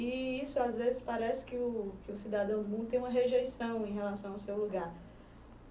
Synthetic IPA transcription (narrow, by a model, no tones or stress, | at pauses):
iisʊazvezɪspaɾɛsɪ̥kɪʊkɪʊsid̪ad̪ɐ̃w̃d̪ʊmũnd̪ʊt̪ẽũmɐ̃ɦeʒejsɐ̃w̃ẽj̃ɦelasɐ̃w̃awsewluɡaɾ